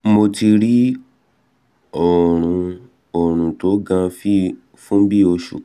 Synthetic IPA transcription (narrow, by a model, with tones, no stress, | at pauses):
mo˧ti˧ɾi˦ | ɔ˨ɾ̃ũ˨˧ | ɔ˨ɾ̃ũ˨to˨˦ɡã˧fi˦ | fũ˦bi˦o˧ʃṵ˨